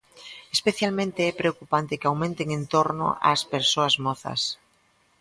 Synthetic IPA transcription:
espeθjalmẽnt̪eɛpɾeokupant̪ekeawmẽnt̪eŋẽnt̪oɾno̰ʔa̰speɾsoazmoθa̰s

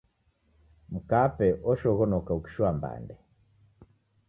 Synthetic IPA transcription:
m̩kapɛʔɔʃɔɣɔnɔkauki̥ʃwamba̰ndɛ

